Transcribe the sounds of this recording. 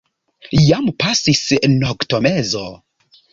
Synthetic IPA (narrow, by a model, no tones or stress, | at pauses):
jampasisnoɡtomezo